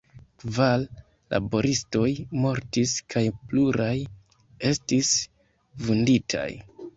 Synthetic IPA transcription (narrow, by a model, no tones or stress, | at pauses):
kvalː | a̰bo̞ɾʔisto̞jmo̞ɾtiskʰajpluɾaj | e̞stis | vunditʰa̰j